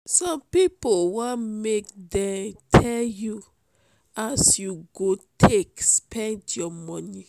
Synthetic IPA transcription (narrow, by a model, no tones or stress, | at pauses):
sɔ̃mpipowãmekdɛ̃mtʰɛlju | asjuɡotʰekspʰɛ̃ntjɔmɔ̃ni